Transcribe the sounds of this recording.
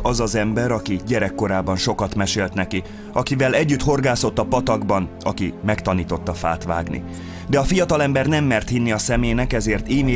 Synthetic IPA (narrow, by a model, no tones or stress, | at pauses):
ɒzɒzɛmbɛɾɒkiɟɛɾɛkːo̞ɾaːbɒnʃo̞kɒt̪mɛʃeːlt̪nɛki | ɒkivɛlɛɟːyt̪ho̞rɡaːso̞t̪ːɒpɒt̪ɒɡbɒnɒ̰kimɛkt̪ɒniːt̪o̞t̪ːɒfa̰ːt̪ʋa̰ːɡnḭ | d̪ɛɒfijɒt̪ɒlɛmbɛrnɛmːɛrt̪hinːiɒsɛmeːnɛkɛzeːrt̪iːmeː